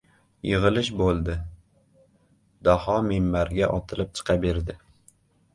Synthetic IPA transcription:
jɨʁɨlɪʃbolˠd̪ɪ | d̪ɒhɑmemːaɾɡʲaʔɒt̪ʰɪlɪp̚t͡ʃʰɨ̥qʰɑbeɾd̪ɪ

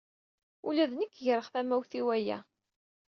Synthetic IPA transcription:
ulæðnəkːjəɾˤəʁθæmæwθiwæjæ̰

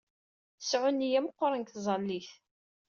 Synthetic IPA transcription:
sʕʊnːijæmqːoɾˤənkθzˤɑlːiθ

